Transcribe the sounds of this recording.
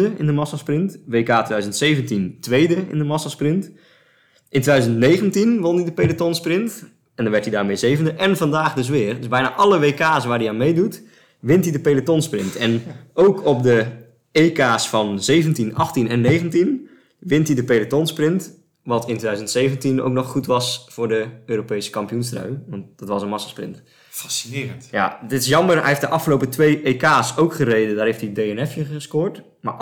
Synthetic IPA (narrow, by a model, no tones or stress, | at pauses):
əɪndəmɑsasprɪntʋeːkaːtʰʋedœɥzəntseːvəntintʋejdəɪ̰ndəmɑsasprɪnt | ʔɪntʋedœzəntneːɣəntinʋondidəpelətɔnsprɪnt | ʔɛndɔnʋɛrtidaːrmejzeːvəndəʔɛnfɑndaːxdʏs̬ʋɪːrdøsbɛjna̰ːʔɑləʋeːkaːsʋaːrdiaːnmejdut | ʋɪntidəpelətɔnsprɪntɛnowkʰɔp̚də | eːkaːsfɔnzejvəntinɑχtinɛnːejχəntin | ʋɪntidəpelətɔnsprɪnt | ʋɑtʰɪntʋeːdœzəntsejvəntino̰wknɔχχutʋɑsfʊːrdəøːɾopejsə̥kɑmpijunstrœ̰ɥʋɑnt̚d̥ɑtʋɑsənmɑsḁsprɪ̰nt | fasi̥nɪːətja̰dɪtɪs̬jɑmərɦɛ̰eftdəʔɑfχəlowpətʋejejkaːsowkχərejdədaːrɦejftideɛnɛfəχəskʊːɹt | ma̰